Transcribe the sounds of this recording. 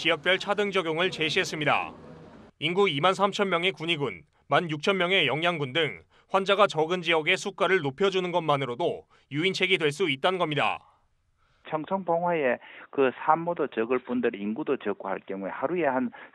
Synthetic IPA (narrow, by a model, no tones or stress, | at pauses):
t͡ɕiʌk̚t͈weɭt͡ɕʰadɯŋd͡ʑʌɡjoŋɯɭt͡ɕe̞ɕʰiɦe̞s͈ɯmɲida̰ | inɡuimans̬ʰamt͡ɕʰʌnmjʌŋe̞kuɲiɡun | manjuk̚t͡ɕʰʌnmjʌŋe̞jʌŋjaŋɡundɯŋ | ɸwand͡ʑaɡat͡ɕʌɡɯnd͡ʑiʌɡe̞sʰuk͈aɾɯɭnopʰjʌd͡ʑunɯnɡʌnmanɯɾodo | juint͡ɕʰe̞ɡidwe̞ɭs̬͈uit̚t͈anɯnɡʌmɲida̰ | t͡ɕʰʌŋsʰʌŋbʌŋɦwaekɯsʰamːodot͡ɕɯɡɯɭp͈undɯɾinɡudot͡ɕɯk͈ʰuɦaɭkjʌŋuehaɾuehan